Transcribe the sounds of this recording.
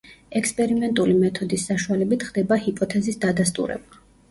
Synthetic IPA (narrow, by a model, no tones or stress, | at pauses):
ɛkspʼɛɾimɛnt̪ʼulimɛt̪ʰɔd̪isːaʃualɛbit̪ʰχd̪ɛbahipʼɔt̪ʰɛzisd̪ad̪ast̪ʼṵɾɛ̰ba